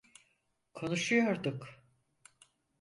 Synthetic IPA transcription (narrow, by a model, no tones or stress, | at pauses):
kʰo̞nuʃujoɾd̪uk